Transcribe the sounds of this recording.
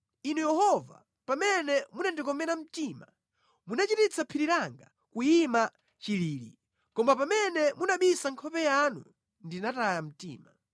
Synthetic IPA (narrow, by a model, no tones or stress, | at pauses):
inujɛhɔva̰ | pamɛnɛmunandikɔmɛɾam̩tiːma | munat͡ʃitit͡sʰapʰiɾiɾaŋɡa̰ | kujima | t͡ʃiliːɾḭ | kɔmbapamɛnɛmunaɓisaŋkʰɔpɛjanu | ndinatajam̩tiːma